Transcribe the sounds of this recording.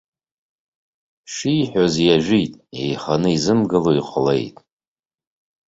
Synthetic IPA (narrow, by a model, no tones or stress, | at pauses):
ʃijħʷᶣozjaʒᶣʷitʼe̞jχanɨizɨmɡɨloiqʷʰlḛjtʼ